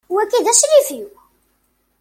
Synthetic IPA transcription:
wækːiðæʃlifu

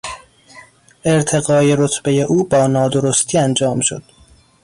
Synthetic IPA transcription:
ʔe̞ɾt̪ʰe̞ɣɒːje̞ɾot̪ʰbe̞je̞ʔuːbɒːnɒːd̪o̞ɾost̪ʰiːænd͡ʒɒːmʃo̰d̪̥

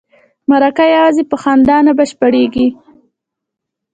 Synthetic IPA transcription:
maɾakajawɑzipəxɑnd̪ɑnabaʃpaɽeɡi

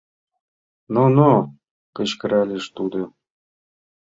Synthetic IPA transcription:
nono | kə̆ɕkɘ̆ɾælʲeʂt̪ud̪ɤ̆

